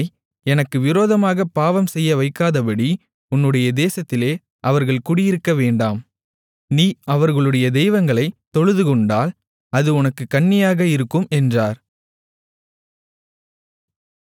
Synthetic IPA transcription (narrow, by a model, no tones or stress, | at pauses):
ɪ | ɛnɐkːɯʋɪɾoːðɐmaːɣɐpːaːʋɐmsɛjːɐʋɐɪkːaːðɐpɐɽi | ʊnːɯɽɐjɐd̪eːsɐt̪ːɪleː | ʔɐʋɐɾɣɐɭkʊɽɪjɪɾɯkːɐʋeːɳɖaːm | niːɐʋɐɾɣɐɭɯɽɐjɐd̪ɛjʋɐŋɡɐɭɐɪt̪ːɔɻɯðɯkɔɳɖaːl | ɐðɯʊnɐkːɯkːɐɳːɪjaːɣɐɪɾɯkːɯmɛndraːɾ